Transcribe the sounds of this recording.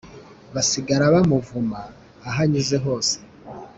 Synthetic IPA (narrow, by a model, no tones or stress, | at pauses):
βasiɡaɾaβamuvumaː | ɦaɲiʒe̞ɦo̞ːse̥